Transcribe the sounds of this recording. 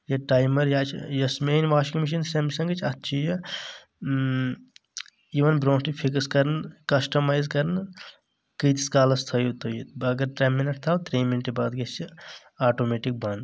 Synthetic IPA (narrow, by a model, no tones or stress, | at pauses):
jɐʈaːjmɐɾjaːt͡ʃʰjɐsmeːnʋaːʃikmiʃ̬ɐnsɐmsɐ̃ŋɡɐt͡ʃʰɐt̪ːt͡ʃʰijɐ | iʋɐnbɾõːʈipʰikskɐɾnkɐsʈɐmaːjzkɐɾn | kit̪i̥skaːlɐst̪ʰɐjut̪ojiɐɡɐɾʈɾemːinɐʈ̚t̪ʰaːwt̪ɾiːminʈebaːd̪ɡest͡ʃʰi | aːʈoːmeʈik̚bɐnd̪